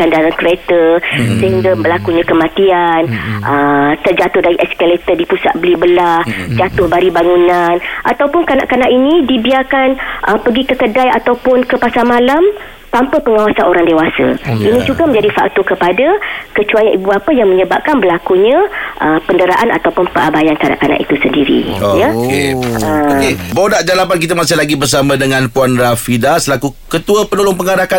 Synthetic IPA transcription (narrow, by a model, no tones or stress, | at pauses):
andaɾankɾiet̪əsəɦiŋɡəmbəlakuɲãkəmãt̪ianʔət̪ərd͡ʒat̪ʊhdaɾiʔɛskalet̪ədipusa̰t̪̚bəlibəlahd͡ʒat̪ʊhbaɾibaŋunanʔat̪awpʊnkana̰ʔkanaʔinĩdibiarkanʔəpəɡikəkədajat̪awpʊnkəpasamalam | t̪ampəpəŋawasanoɾaŋdewasə̰inĩd͡ʒuɡamə̃ɲd͡ʒadifa̰k̚t̪ukəpadakət͡ʃuajanʔibuapəjaŋməɲəbap̚kanbəlakuɲãʔəpəndəɾaʔanʔa̰t̪awpʊnpəʔabajankana̰ʔkana̰ʔḭt̪usəndiɾḭojakḛəkebodaʔd͡ʒalapankit̪əmasɪhlaɡibərs̬amãdəŋãnpuanrafidasəlakukət̪uapənolʊŋpəŋaɾaka